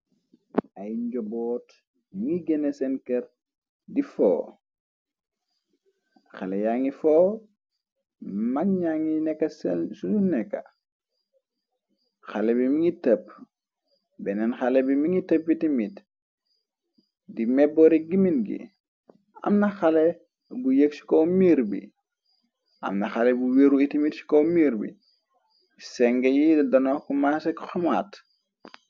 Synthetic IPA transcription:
ʔajɲɟɔboːt | miŋiɡenesenkeɾ | difo̰ː | xalejaŋifoː | manɲaŋinɛkːɐsesununɛkːa̰ | xalebimiŋitəp | bɛnɛnxalebimiŋitəp̚witimit | dimɛbɔɾiɡiminɡḭ | a̰mnɐxale | bujəksi̥kɔmiɾbḭ | ʔɐ̰mnɐxalebuweɾuitimitsi̥kɔmiːɾbḭ | sɛŋɡejiddɐnɔkumasɛkxɔma̰ːt

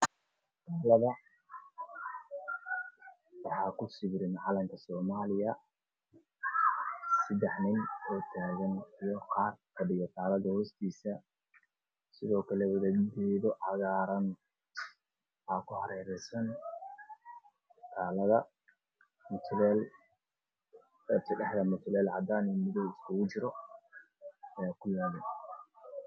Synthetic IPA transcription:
t̪ʰaːlɐðɐ | wɑħɑːkʰʊsɪβɾɪnʕɑlɐŋkʰɐsɔːmaːlɪjɐ | sɐd̪ɛħnɪnʰɔːt̪ʰaːɣɐnijɔqɑːrkʰɐɖɪɣɔt̪ʰaːlɐðɐhɔːst̪ʰiːsɐ | sɪðɔːkʰɐlɛwɐðɐd̪ɛːðɔʕɑɣaːɾɐn | ʔaːkʰʊhɐɾɛːɾɛsɐn | t̪ʰaːlɐðɐ | mʊt̪ʰlɛːl | ɛsʰɐɖɛħðɐmʊt̪ʰʊlɛːlʕɑd̪aːnimɪðɔwɪskʰʊɣʊt͡ʃɪɾɔ | jːkʰʊlaːðɛ

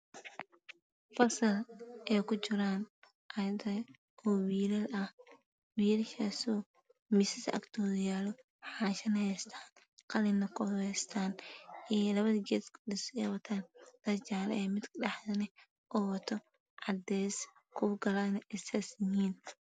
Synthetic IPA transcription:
fɐrsɐlʔɛːjkʰʊt͡ʃɪɾaːn | ʔɐd̪ɐ | ɔwiːɾɐlɐh | wiːlhɛːsɔː | mɪsɪsɐ̰kt̪ʰɔːðɪjaːlɔ | ħɑːʃɐnhɛjst̪ʰaːn | qɑlɪnɐkʰɔwɛst̪ʰaːnɛːlɐβɐðɐɡɛːskʰɗɪsɛːwɐt̪ʰaːnd̪̥ɐt͡ʃaːlɐ̰ɛːmɪd̪kɗɑħdɐnɛ | ʔɔːwɐt̪ʰɔ | ʕɑd̪ɛːs | kʰʊɡɐlɐnɛsɛsɪhiːn

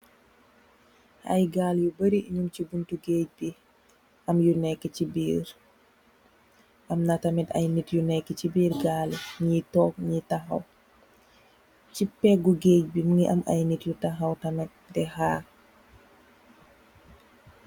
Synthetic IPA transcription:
ɐ̰jɡaːljubəɾiʔiɲumcibuntuɡeːc̚bi | ʔɐmjunɛkːɛcibiːɾ | ʔɐmnatɐmɛtɐ̰jnitjunɛkːɛcibiːɾɡalɲitɔk̚ɲitɐxɐ̰w | cipɛk̚ɡuɡeːc̚biməŋiʔɐmɐ̰jnitjutɐxɐwtɐmɛt̚dɛhaː

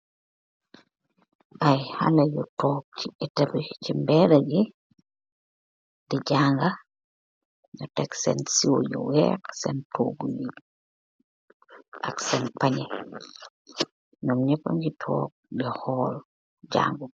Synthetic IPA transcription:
ʔajha̰lajɔtɔk̚t͡ʃitɛtabɛt͡ʃimbɛɾad͡ʒɛ | did͡ʒaːŋɡa | ɲɔtɛksɛ̰nsiwɔjɔ̰wɛ̰ksɛ̰ntoːɡuli | ʔaksɛnpaɲɛ | nɔmɲɛpːa̰ɲd͡ʒitʰɔ̰ːk̚bɛhɔːl | d͡ʒa̰ːŋɡu

